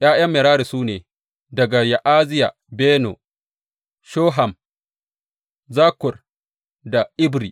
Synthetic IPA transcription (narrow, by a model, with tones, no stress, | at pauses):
j̰ʔaː˦j̰ɐ˦mːeː˨ɾaː˦ɾi˨suː˦neː˨ | dɐ˨ɡa˨ja˨ʔaː˦zɪ˦ja˨ | beː˦no̰˨ | ʃoː˦ɦa˨m | zaː˦kʷʊ˨r | da˨ʔɪ˦bɾi˨